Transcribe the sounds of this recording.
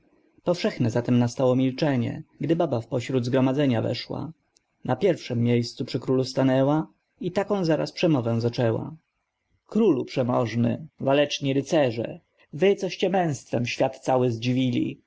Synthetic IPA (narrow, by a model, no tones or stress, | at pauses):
pɔfʂɛxnɛzat̪ɛmnast̪awɔmʲilt͡ʂɛɲɛ̰ɡd̪ɘbabafpɔɕɾud̪zɡɾɔmad̪zɛɲavɛ̰ʂwa̰ | napʲjɛɾfʂɛmːʲjejst̪supʂɘkɾulust̪anɛwa | it̪akɔ̃w̃zaɾa̰spʂɛmɔvɛw̃zat͡ʂɛwa̰ | kɾulupʂɛmɔʐnɘ̰valɛt͡ʂɲiɾɘt̪sɛʐɛ̰ | vɘt̪sɔɕt͡ɕɛmɛ̃w̃st̪fɛmɕfʲjat̪t̪sawɘzd͡ʑivʲilʲḭ